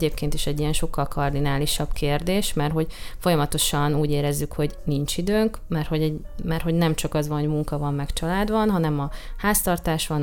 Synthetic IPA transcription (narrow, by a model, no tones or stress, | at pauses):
ɟeːp̚keːnt̪iʃɛɟːijɛnʃo̞kːɒlkʰɒrd̪inaːliʃɒb̥keːrd̪eːʃmɛrɦo̞ɟfo̞jɒmɒt̪o̞ʃɒnuːɟeːɾɛzːykho̞ɟnint͡ʃid̪øːŋk | mɛrho̞ɟɛɟ | mɛrho̞ɟnɛmt͡ʃɒkɒzvɒnho̞ɟmuŋkɒvɒmːɛkt͡ʃɒlaːd̪bɒnɦɒnɛmɒhaːst̪ɒrt̪aːʃʋɒn